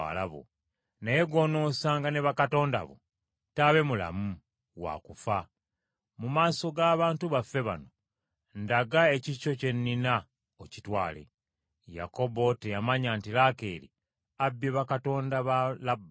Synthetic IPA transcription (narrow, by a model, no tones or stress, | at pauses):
a̰laβo̰ | neje̞ɡo̞no̞ːsaːŋɡane̞βakato̞ːnda̰βo̰ | taβe̞mula̰mu | wa̰kufa | mumaːso̞ɡaːβaːntuβafːe̞βa̰no̞ | ndaɡae̞ciʃo̞ce̞nːina | ocitwaːle̞̰ | ja̰ko̞bo̞te̞jamaɲantilakeːlḭ | abːeβakato̞ːndaβalabːa